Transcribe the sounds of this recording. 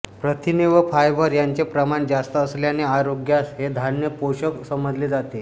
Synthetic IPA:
pɾət̪ʰineʋəfʰajʋəɾjaɲt͡sepɾəmaɳd͡zast̪əːsljaneaɾoɡjasɦed̪ʱanjəpoɕəksəməd͡zleːd͡zat̪e

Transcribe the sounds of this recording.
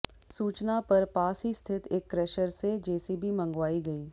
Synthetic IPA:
suːt͡ʃnapɐɾpaːsɦist̪ʰɪt̪ekːɾɛːʃəɾsed͡ʒɛːsibʱimə̃ŋɡʋaːiɡɐiː

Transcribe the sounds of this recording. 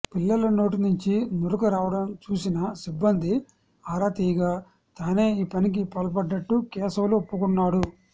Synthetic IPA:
pilːɐlɐno̞ːʈinuɲt͡ʃinuɾukɐɾaːʋɐɽɐmt͡ʃuːsinɐsibːɐnd̪i | aːɾaːt̪ijɐɡaː | t̪aːne̞ːiːpɐnik̬ipɐlp̬ɐɖːɐʈːukɛːsɐwluopːukunːaːɽu

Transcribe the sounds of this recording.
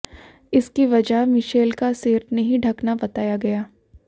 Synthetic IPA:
ɪskiʋɐd͡ʒaɦmɪʃeːlkaseːɾnɐɦĩɖʱɐknabɐt̪aːjaɡɐjaː

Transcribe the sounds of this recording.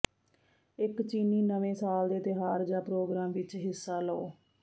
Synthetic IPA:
ɪkt͡ʃiːniːnəʋẽːsaːld̪eːt̪ɪɦaːɾd͡ʒaːpɾoːɡɾaːmʋɪt͡ʃɦɪsːaːləoː

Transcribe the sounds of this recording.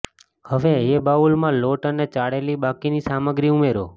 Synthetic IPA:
həʋeebaʋulmãloʈənet͡ʃaɽelibakinisaməɡɾiumeɾo̰

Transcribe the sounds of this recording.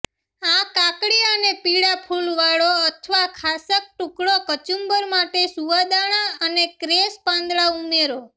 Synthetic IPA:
ãkakɽiənepiɽapʰulʋaɽoət̪ʰʋakʰasək̚ʈukɽokət͡ʃumbəɾmaʈesuʋad̪aɽ̃ãənekɾespãnd̪ɭaumeɾo

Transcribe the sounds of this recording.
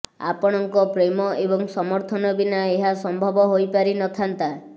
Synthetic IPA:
a̰pɔɽ̃ɔŋkɔpɾemɔʔebɔŋsɔmɔɾt̪ʰɔnɔbinaeɦasɔmbʱɔbɔɦojpaɾinɔt̪ʰant̪a

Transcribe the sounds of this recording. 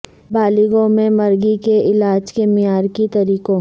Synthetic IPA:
baːlɪɡõmẽmɐɾɡikeʔɪlaːd͡ʒkemɪjaːɾkit̪ɐɾiːkõ

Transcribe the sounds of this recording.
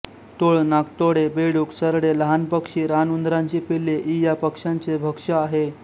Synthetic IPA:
t̪oɭnakt̪oɽebeɽuksəɾɽeləɦanpəkʂiːɾanund̪ɾãɲt͡ɕiːpilːeʔijapəkʂaɲt͡sebʱəkʂəaɦe

